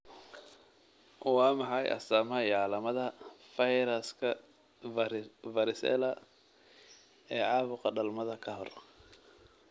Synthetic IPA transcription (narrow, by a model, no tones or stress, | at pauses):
wɑːmɑħɑjʔɐ̰saːmɐɐjɑːlɐmɐðɐfɐjɾɐskʰɐ | vɐɾɪsɛ̰lɐ | ɛːʕɑːβʊqɑɖɐlmɐðɐkʰɐɦɔr